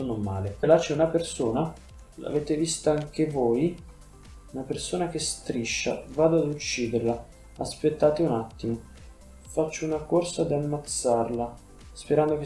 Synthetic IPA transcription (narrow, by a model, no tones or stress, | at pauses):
onomːa̰ːleelat͡ʃeunapersoːna | la̰veːt̪evist̪aaŋk̟evoːj | unapersoːnak̟est̪ɾiʃːa̰vaːd̪oad̪ut͡ʃːiːd̪eɾla | aspet̪ːaːt̪eunat̪ːimo | fat͡ʃːounakorsad̪iamːat̪sːarla | speɾand̪ok